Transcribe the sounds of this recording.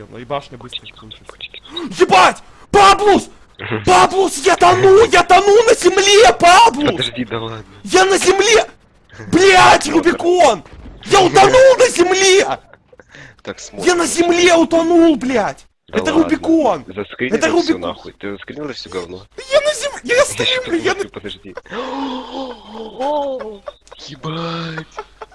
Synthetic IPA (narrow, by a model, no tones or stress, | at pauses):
bb | zʲɪbatʲ | pablˠus | pablˠusjat̪ɐnulˠjat̪ɐnulˠnəzʲɪmlʲepablˠʊsʲi | janəzʲɪmlʲe | blʲatʲrʊbʲɪkonjaʊt̪ɐnulˠnəzʲɪmlʲe | t̪akjanəzʲɪmlʲeʊt̪ɐnulˠblʲatʲ | d̪ɛt̪ərʊbʲɪkonzɐskɾʲɛt̪ərʊbʲɪt̪ɨzɐskɾʲnilˠfsʲoɡɐvnojanəzʲɪmjast̪ɾʲimlʲʊjanʲi | batʲ